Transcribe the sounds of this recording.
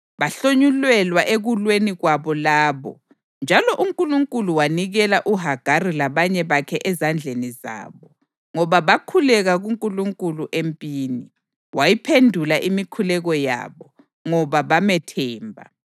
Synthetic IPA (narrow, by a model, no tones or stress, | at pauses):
βaɬoɲulwɛlwaʔeɣulweniɣwaβɔlaːβɔ̰ | nd͡ʒʱalɔʔuŋkʼuluŋkʼuluwaniɣɛlaʔuɦaɡ̥ʱarilaβaɲɛβakʰɛʔɛzand͡ɮʱeniza̰ːβɔ | ŋɔβaβakʰulɛɣaɣuŋkʼuluŋkʼuluʔempʼiːni | wajipʰendʱulaʔimikʰulɛɣɔja̰ːβɔ | ŋɔβaβamɛtʰɛːmbʱa̰